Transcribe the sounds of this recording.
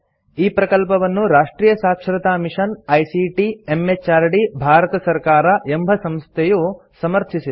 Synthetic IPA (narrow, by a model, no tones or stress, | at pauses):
iːpɾɐkɐlpɐʋɐnːuɾaːʂʈɾiːjɐsaːkʂɾɐt̪aːmiʂɐnɐjsiʈiemet͡ʃaːɾɖibʱaːɾɐt̪ɐsɐɾkaːɾɐʔembʱɐsɐmst̪ʰɛju | sɐmɐɾt̪ʰisi